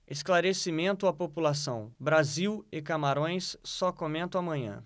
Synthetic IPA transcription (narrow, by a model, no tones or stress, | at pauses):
esklaɾesimẽnt̪ʊapopulasɐ̰̃w̃bɾaziwɪkamaɾõj̃sːɔkomẽnt̪ɐ̃w̃amɐ̃ɲɐ̰̃